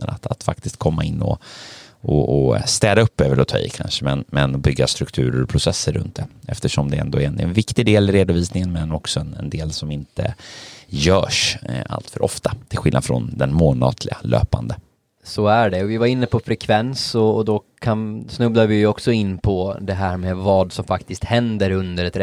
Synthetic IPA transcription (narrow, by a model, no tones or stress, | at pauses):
əna̰t̪at̪fakt̪ɪst̪̚kʰɔmːaɪnːɔ̰ | ɔɔst̪ɛːd̪aɵpːøːvəɾɔt̪ʰɑ̰ːɪ̰kʰa̰nʂəmɛnmɛnɔbʏɡːast̪ɾɵkt̪ʰʉ̟ːɾəɾɔpʰɾʊsɛsːəɾːɵ̰nt̪̚d̪ɛʔɛft̪əʂɔmd̪ɛɛ̰nd̪oːnɛnvɪkt̪ɪd̪eːlɪɾeːd̪ʊviːsnɪŋənmɛnɔksɔɛnɛnd̪eːlsɔmɪnt̪ʰə̰ | jœːʂa̰lt̪fœɾʔɔ̰ft̪ʰat̪ʰɪlɧɪlad̪fɾɔ̰nd̪ɛnmoːlnɑ̰ːt̪ʰlɪɡa̰lø̰ːpand̪ə | sɔæɖɛɔvɪvaɾɪnːəpʰɔfɾɛkʰvɛnsɔd̪ɔkʰansnɵblad̪vɪjɔksɔɪnːpʰɔd̪ɛɦæːɾmeːvɑːd̪sɔmfakt̪ɪst̪hɛnd̪əɾɵnd̪əɾɛt̪ɾ